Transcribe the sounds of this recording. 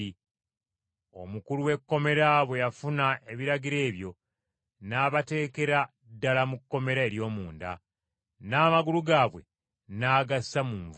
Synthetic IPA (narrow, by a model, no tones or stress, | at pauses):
i | o̞̰mukuluwe̞kːo̞me̞ɾaβwe̞jafunaʔe̞βiɾaɡiɾe̞ːβjo̞ | naːβate̞ːke̞ɾa | dːalamukːo̞me̞ɾae̞ɾjo̞ːmuːnda̰ | naːmaɡuluɡaːβwe̞̰ | naːɡasamuːɱv